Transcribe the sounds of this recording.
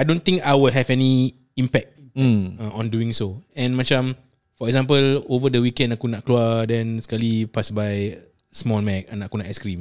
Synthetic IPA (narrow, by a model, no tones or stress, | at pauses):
ajdõnt̪ĩŋkajwɪlɦɛvɛni | ĩmpɛk̚t̩̚ãɔ̃nduĩŋsoɛ̃nmãt͡ʃãm | fɔɛɡzãmpəlovədəwikɛ̃ndakunaʔkluadɛ̃nskalipasbaj | smɔlmɛk̚anaʔakunaʔɛskɾĩm